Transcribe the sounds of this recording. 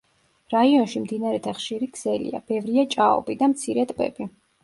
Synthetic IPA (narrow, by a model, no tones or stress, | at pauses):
ɾaiɔnʃimd̪inaɾɛt̪ʰaχʃiɾiɡz̥ɛlḭa̰b̥ɛvɾiat͡ʃʼaɔ̰bid̪amt̪sʰiɾɛt̪ʼbʼɛ̰bi